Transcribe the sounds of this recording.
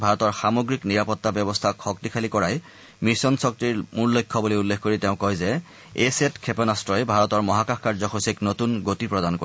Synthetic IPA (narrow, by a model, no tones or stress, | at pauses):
bʱaɹɔtɔɹxamoɡɹikniɹapɔtːabɔbɔstʰakxɔk̚tikʰalikɔɹaj | miɹsɔnsɔk̚tiɹmuɹlojkʰːɔbulojulːekkoɹiteʊ̃kɔjzɛ | esetkʰepɔnastɹɔjbʱaɹɔtɔɹmɔɦakaxkaɹzɔxosiknotunɡotipɹɔdanko